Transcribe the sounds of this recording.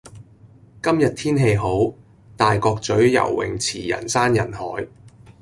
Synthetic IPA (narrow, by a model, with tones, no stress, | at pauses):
kɐ˥mjɐ˨t̚t̪ʰiː˥nɦe˧jɦo˨˥w | t̪aː˨jkɔː˧k̚t͡sɵ˨˥ɥjɐ̰˨˩wwɪ̰˨ŋt͡sʰiː˨˩jɐ̰˨˩nsaː˥njɐ˨˩nhɔː˨˥j